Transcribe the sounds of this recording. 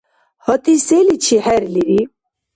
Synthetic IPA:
hɔt̪iselit͡ɕʰihɛɾliɾi

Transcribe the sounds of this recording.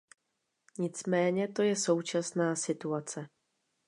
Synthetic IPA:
ɲɪt͡smɛːɲɛt̪o̞jɛso̞wt͡ʃasnaːsɪt̪uat͡sɛ

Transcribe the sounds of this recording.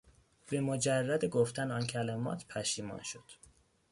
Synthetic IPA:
b̥e̞mod͡ʒærːæd̪eɡoft̪ænɒncʰælæmɒ̰ːt̪ʰpʰæʃiːmɒ̰ːnʃo̞d̪̥

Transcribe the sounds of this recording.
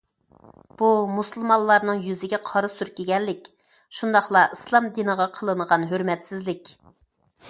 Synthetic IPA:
b̥umusɨlˠmɑlˠlːˠɑɾnɨŋjyzɪɡʲɛqʰɑɾɨsyɾkʲeɡʲɛlːɪkʲ | ʃund̪ɑχlˠɑʔislˠɑmd̪inəʁɑqʰəlˠɨɴəʁɑnɦøɾmɛt̪sɪzlɪkʲ

